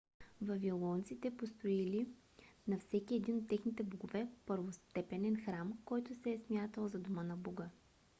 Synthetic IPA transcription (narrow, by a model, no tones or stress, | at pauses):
vɐvilˠɔnt̪sit̪ɛpost̪ɾoili | nɐfsɛkiɛd̪inot̪ːɛxnit̪ɛboɡovɛpəɾvost̪ɛpɛnɛnxɾamkɔjt̪ʊsɛːsmʲjat̪əlˠzɐd̪omənɐbɔɡə